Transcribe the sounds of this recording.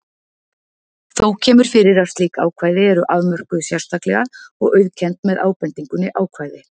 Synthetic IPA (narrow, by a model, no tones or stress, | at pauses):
θowcʰɛːmʏɾ̥fɪɾɪɾḁst̪liːka̰ːwkʰvaːjðɪɛɾʏʔavmœr̥kʏsjar̥st̪aklɛɣaɔ̰ɣœɥðcʰɛnt̪mɛðʔa̰ːwpɛnt̪iŋkʏnɪʔaːwkʰvaːjðɪ